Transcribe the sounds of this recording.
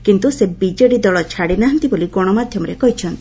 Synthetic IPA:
kint̪usebid͡ʒeɽid̪ɔɭɔt͡ʃʰaɽinaɦant̪iboliɡɔɽ̃ɔmad̪ʱjɔmɔɾekɔɦit͡ʃʰɔnt̪i̥

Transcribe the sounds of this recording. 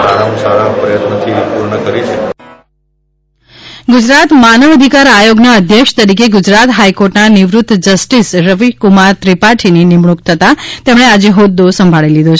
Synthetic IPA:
aɾamusaɾapɾəjət̪nət̪ʰipuɾɳəkəɾik | ɡʊd͡ʒɾat̪manəʋəd̪ʱikaɾajoɡnaəd̪ʱjəkʂt̪əɾikeɡʊd͡ʒɾat̪ɦajkoɾʈnanɪʋɾut̪ːd͡ʒəsʈisɾəʋikumaɾt̪ɾipaʈʰininimɳukt̪ʰət̪at̪emɽead͡ʒeɦod̪ːosəmbʱaɭilid̪ot͡ʃʰ

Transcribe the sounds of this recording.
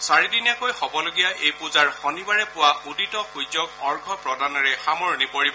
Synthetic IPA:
saɹidinjakojxɔbɔloɡijaʔejpuzaɹxɔnibaɹɛpʊwauditɔxujzɔkɔɹɡʱɔpɹɔdanɔɹɛxamɔɹnipoɹib

